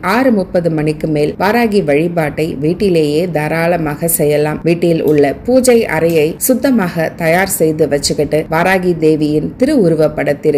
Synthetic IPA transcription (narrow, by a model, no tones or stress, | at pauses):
ʔaːɾɯmʊpːɐðɯmɐnɪkːɯmeːlʋaːɾaːɣiʋɐɻɪpaːʈːɐɪʋiːʈːɪleːjeːd̪ɐɾaːlɐmaːɣɐsɛjːɐlaːmʋiːʈːɪlʊ̰ɭːɐpuːd͡ʒɐɪʔɐ̰ɾɐjɐɪsʊd̪ːɐmaːɣɐt̪ɐjaːɾsɛjðɯʋɐt͡ʃːɯkːɐʈːɯʋaːɾaːɣid̪eːʋɪjɪnt̪ɪɾɯʊɾʊʋɐpːɐɽɐt̪ːɪɾ